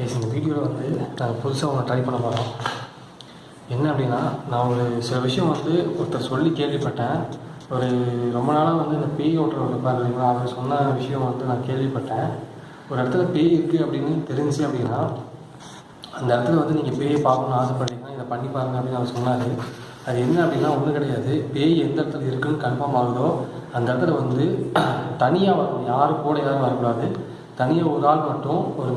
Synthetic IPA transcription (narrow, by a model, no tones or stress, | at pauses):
peːsɪnd̪ɐʋiːɽɪjoːlɐʋɐnd̪ɯnãːŋɡɐpʊðʊsaːʋɐŋɡɐʈɾɐɪpɐɳːɐpoːɽõː | ɛnːɐɐpːɐɽɪnːaːnãːɔɔɾɯsɪlɐʋɪʂɐjɐ̃ʋɐnd̪ɯɔɾɯt̪ːɐɾɐsɔlːikeːɾʋipːɐʈːẽːɔɾɯɾɔmbɐnaːlaːʋɐnd̪ɯɪnd̪ɐpeːjoːʈːɐɾɐɽɯpːaːɾɐpːɐɽɪŋɡaɐʋɐŋsɔnːaːnɐʋɪʂɐjɐ̃mʋɐnd̪ɯnãːkeːɾʋipːɐʈːẽː | ɔɾɯɐɽɯt̪ːɐlɐpeːjɪɾɯkːɯɐpːɐɽɪnːɯt̪ɛɾɪɲd͡ʒiɐpːɐɽɪnnːaː | ɐnd̪ɐɽɯt̪ːɯlɐʋɐnd̪ɯniːŋɡɐpeːjɐpaːkɐnaːðɯpːɐʈːikːɐnãːɪðɐpɐɳːipːaːɾɯŋɡɐpɐɽɪnːɐʋɐɐsɔnːaːɾɯ | ɐðɯɛnːɐɐpːɐɽɪnːaːɔnːɯkɪɽɐjaːðɯpeːjɛnd̪ɐɽɐt̪ːɯlɐɪɾɯkːɯnːɯkɐɳfɐːɾmaːɣɐðoːɐnd̪ɐɽɯt̪ːɐlɐʋɐnd̪ɯt̪ɐnɪjaːʋaːɾɐjaːɾɯkoːɽɐjaːɾɯʋaːɾɐkːʊɽaːðɯ | t̪ɐnɪjaːʊɾaːɭmɐʈːʊ̃ɔɾɯ